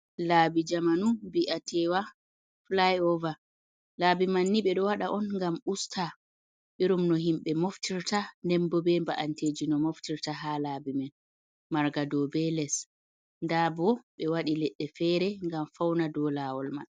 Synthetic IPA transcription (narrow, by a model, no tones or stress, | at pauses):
laːbid͡ʒamanubiʔatʰɛwa | flajɔva | laːbimanːiɓɛɗɔwaɗaʔɔnŋɡamustʰa | ɓiɾumnɔɦimɓɛmoftʰiɾtandɛmbɔbɛmbaʔanteːd͡ʒinɔmoftiɾtaɦalabimɛn | maɾɡadɔbɛlɛs | ndabɔɓɛwaɗilɛɗːɛfɛɾɛŋɡamfawnadɔlaːwɔlma̰n